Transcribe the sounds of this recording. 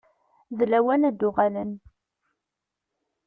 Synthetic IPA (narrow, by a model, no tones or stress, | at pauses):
ðlæwænæd̪ːʊʁalən